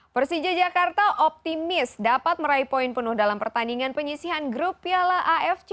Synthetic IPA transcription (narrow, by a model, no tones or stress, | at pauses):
pərsid͡ʒad͡ʒakart̪aʔɔp̚t̪imɪsdapat̪̚məɾaipɔinpənʊhdalampərt̪aniŋanpəɲisiɦanɡɾupialaʔaʔɛft͡ʃ